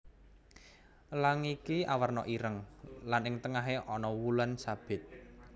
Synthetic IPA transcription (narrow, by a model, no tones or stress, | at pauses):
laŋikia̰wərnɔʔiɾəŋlanɪŋt̪əŋaɦeʔɔnɔwulansab̥ɪ̤t̪̚